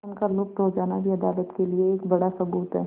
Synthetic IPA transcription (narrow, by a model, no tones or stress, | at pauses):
nkaɾlʊp̚t̪ɦod͡ʒaːnabʱiɐd̪aːlət̪kelieːkbɐɽasɐɡuːt̪ɦɛː